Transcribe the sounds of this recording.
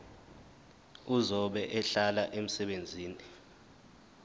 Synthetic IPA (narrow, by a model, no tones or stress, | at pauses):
uzɔɓɛʔɛɬalaʔem̩sɛɓend͡zʱiːni